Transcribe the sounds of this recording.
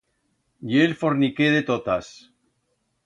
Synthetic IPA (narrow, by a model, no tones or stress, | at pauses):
jelfo̞ɾnikeð̞et̪ot̪as